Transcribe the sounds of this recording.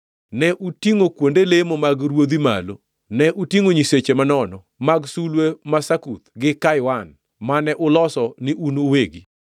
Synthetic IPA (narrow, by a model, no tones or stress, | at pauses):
nɛʔutiŋokwondelemomaɡɾwod̪ima̰lo | nɛʔutiŋoɲiset͡ʃemanɔnɔ | maɡsulwemasakut̪ɡɪkajwan | manɛʔʊlɔsɔnɪʔunoweɡi